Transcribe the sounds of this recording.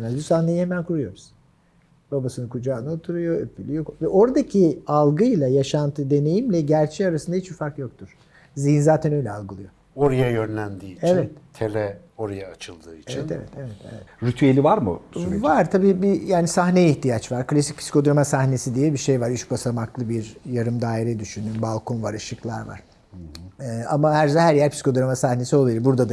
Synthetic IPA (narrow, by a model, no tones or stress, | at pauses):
nazbusahnejihemænkʰuɾujo̞ɾuz̥ | babasɯnɯkʰud͡ʒaːnɯot̪ʰuɾujo̞øpʰːylʲyjokvɛʔo̞ɾd̪acʰialˠɡɯjlˠajaʃant̪ʰɯd̪e̞ne̞jimlʲɛɟæɾt͡ʃʰɛaɾasɯnd̪ahit͡ʃufaɾkjo̞k̚t̪ʰuɾ̥ | zijinzaːt̪ʰɛnø̞jlʲɛalˠɡɯlˠɯjo̞ | o̞ɾajajønlʲænd̪iːievɛt̪t̪ʰelɛ | o̞ɾajaːt͡ʃʰɯlˠd̪ɯːit͡ʃeiɛnḛvɛ̰t̪ʰevɛt̪ḛvɛt̪ɾyt̪ʰyelʲivaɾmṵvaɾt̪ʰabiːbijaːnisahneiçt̪ijat͡ʃvaɾklʲasi̥c̚pʰi̥si̥kʰo̞d̪ɾamasahne̞sid̪ijɛbiʃe̞jvaɾyt͡ʃbasamaklˠɯbiɾjaɾɯmd̪aːiɾɛd̪yʃynd̪ynbalˠkʰo̞nvaɾɯʃɯklˠa̰ɾva̰ɾ̥ | h̩ | amahæɾzaɦæɾjæɾpʰisi̥kʰo̞d̪uɾamasahne̞sio̞lˠailˠbuɾd̪ad̪a